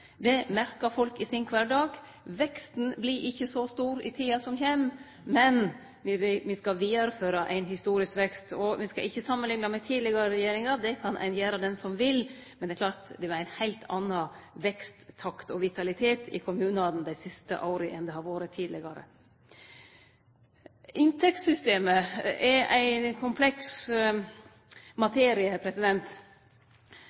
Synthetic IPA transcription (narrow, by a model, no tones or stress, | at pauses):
d̪ɛmæɾkɑɾfɔlkɪsɪnkʰʋɑːɖɑːɡ | ʋɛkst̪n̩blɪɾʔɪçːəsɔst̪uːɾɪ̰t̪ʰiːɑsɔmçɛmː | mɛn | ʋɪʋɪskɑʋiːɑɾəføːɾɑʔæ̰ɪnɦɪst̪uːɾɪskʋɛkst̪ɔʋɪskɑ̰ʔɪçːəsɑmːənlɪŋnɑmɛt̪ʰiːd̪lɪɡɑɾəɾɛjeːɾɪŋɑd̪ɛkʰɑnʔɛ̰ɪnjeːɾɑd̪ɛnsɔmʋɪl | mɛnd̪ɛɾklɑːɾt̪d̪ɛʋɑɾæɪnhæɪlt̪ʰɑnːɑʋɛkst̪ːʰɑkt̪ɔʋɪt̪ʰɑlɪt̪ʰeːt̪ʰɪ̰kʰʊmʉːnɑd̪n̩d̪æɪsɪst̪ə̰ʔɑʊɾəʔɛnd̪ɛhɑɾʋoːɾət̪ʰiːd̪lɪɡɑɾə̰ | ʔɪnt̪ʰɛk̚t̪sʏst̪eːməʔɛɾʔæ̰ɪkʰʊmpʰlɛks | mɑt̪ʰeːɾɪəpʰɾɛsɪd̪ɛnt̪